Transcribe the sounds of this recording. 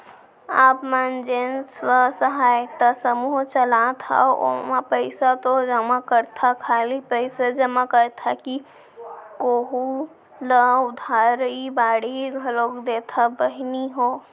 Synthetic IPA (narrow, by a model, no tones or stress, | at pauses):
a̰ːpmand͡ʒenswəsəɦaːjt̪əsəmuɦt͡ʃəlat̪ʰa̰o̰mapəɪsat̪od͡ʒəmakəɾt̪ʰakʰaːlipəɪsad͡ʒəmakəɾt̪ʰaki | koːɦu | ləʊd̪ʱaɾɾəibaːɽiɡʱəloːkd̪et̪ʰabəɦniɦo